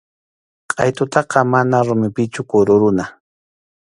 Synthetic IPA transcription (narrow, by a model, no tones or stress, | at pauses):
qʼɑjt̪ʊt̪ɑqɑmanaɾʊmɪpɪt͡ʃʊkʊɾʊɾʊna